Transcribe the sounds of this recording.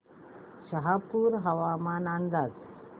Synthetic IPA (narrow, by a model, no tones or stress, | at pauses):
ʃɐɦapːuːɾɦɐʋaːmaːnand̪aːt̪